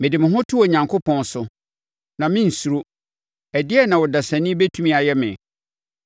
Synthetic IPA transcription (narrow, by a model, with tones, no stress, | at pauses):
mɪ̃˨dɪ˨mɪ̃˨ɦʊ̃˦tʰʊ˦o˨ɲã˨ŋkʰʊ˦pʰɔ̃˦nsʊ˨ | nã˨mɪ̃˦n̩˨su˨ɾo˦ | ɛ˨dɪ˦ɛ˦nã˨wɔ˨da˨sæ̃˨nɪ̃˦be˦tʰu˦mĩ˦a˨jɛ˦mɪ̰̃˨